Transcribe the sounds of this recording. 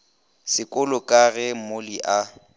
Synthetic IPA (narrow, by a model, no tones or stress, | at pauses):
sɪkʼʊlʊkʼaɣɛm̩moliʔa